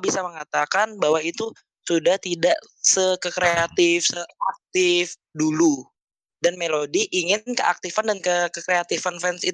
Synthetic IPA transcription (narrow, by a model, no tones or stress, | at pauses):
bisaməŋat̪akanbawait̪u | sudaht̪idaʔ | səkəkɾeat̪ɪfsəak̚t̪ɪf | dulu | danmelodiʔːŋɪnkəʔa̰k̚t̪ifandankəkəkɾeat̪ifanfɛnsit̪